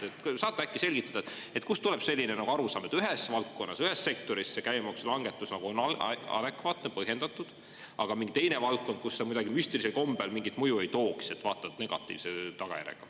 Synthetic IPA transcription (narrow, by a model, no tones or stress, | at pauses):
et̪sɑːt̪ːˑækːˑise̞lʲɡ̥it̪ːˑɑd̪ɑt̪e̞t̪ːˑkust̪uleb̥se̞lːinenɑɡ̥uɑɾusɑ̰ːme̞t̪ːyɦesːvɑlk̪̚ko̞nːɑsyɦesːe̞k̚t̪o̞ɾisːekæjmɑkslɑŋɡ̥e̞t̪ːˑusnɑɡ̥uonɑ̰d̪e̞kvɑːt̪nepɤhje̞nd̪̥ɑt̪ːˑud̪̥ | ɑɡ̥ɑmiŋɡit̪e̞jne̞vɑlk̚ko̞nd̪̥̚kusːemujd̪ɑɡimyst̪eriselko̞mb̥elmiŋɡit̪mujue̞jt̪o̞ːkse̞t̪ːvɑːt̪ːˑɑt̪ne̞ɡ̥ɑ̰t̪ːˑḭːvse̞t̪ɑɡ̥ɑ̰jæ̰ɾḛɡ̥ɑ̰